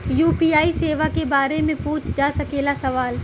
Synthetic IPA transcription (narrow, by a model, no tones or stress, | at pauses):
juːpiːaːiseːʋakebaːɾemẽpũːt͡ʃʰd͡ʒaːsɐkeːlasɐʋaːl